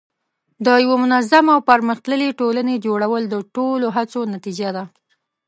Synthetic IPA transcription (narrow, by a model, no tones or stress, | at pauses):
d̪əjawamʊnazamawpəɾməxt̪ləleʈolaned͡ʒoɽawəld̪əʈoloɦat͡sonat̪id͡ʒad̪a